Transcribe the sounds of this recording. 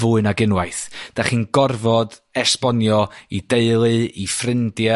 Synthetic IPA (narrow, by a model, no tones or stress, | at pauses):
vuːɨnaɡɪnwajθd̥aχiːnɡɔrvɔdɛspɔnjɔid̥eɨlˠɨifrɪndja